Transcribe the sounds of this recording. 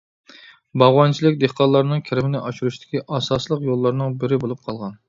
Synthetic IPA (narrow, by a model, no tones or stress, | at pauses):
bɑʁwɑnt͡ʃʰilˠɪkʲd̪ehqɑlˠːɑɾnɨŋkʲʰɪɾɪmɪnɪʔɑʃuɾuʃt̪ʰɪ̥kʲiʔɑsɑslˠəqjolˠːɑɾnɨŋbɪɾɪbolˠup̚qʰɑlˠʁɑn